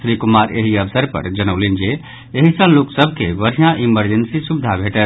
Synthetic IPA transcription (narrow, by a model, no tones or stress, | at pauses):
sɾikumaɾḛɦiəbʰsəɾpə̰ɾd͡ʒənəʊlend͡ʒe | eɦisə̃loksəbʱkeʋəɾijãʔiməɾd͡ʒensisubid̪ʱabʱeʈə